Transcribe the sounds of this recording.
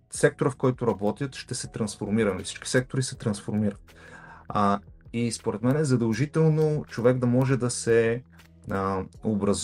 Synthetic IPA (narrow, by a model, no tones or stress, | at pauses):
sɛk̚t̪oɾəfkɔjt̪ʊɾɐbɔt̪ʲjət̪ʃt̪ɛsɛt̪ɾɐnsfoɾmiɾɐnlifsi̥t͡ʃki̥sɛk̚t̪oɾisɛt̪ɾɐnsfoɾmiɾət̪ | ispoɾɛt̪mɛnɛzɐd̪ɐlˠʒit̪ɛlˠnot͡ʃovɛɡd̪ɐmɔʒɛd̪ɐsɛ | obɾɐz